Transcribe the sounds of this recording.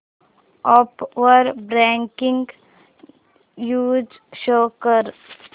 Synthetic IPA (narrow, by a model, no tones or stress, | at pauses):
ɔpʋəɾbɾɛ̃ːŋkɪ̃ŋɡ | juːd͡ʒ | ʃoːkəɾ